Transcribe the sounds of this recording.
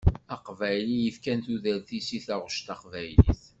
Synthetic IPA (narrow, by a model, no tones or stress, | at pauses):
æqvæjlijəfkænt̪uðæɾθisiθæʁʃt̪ɑqvæjlḭθ